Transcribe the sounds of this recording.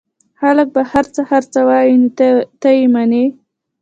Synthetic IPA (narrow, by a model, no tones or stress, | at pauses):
halək̚bahaɾt͡səhaɾt͡səwɑjint̪ajimane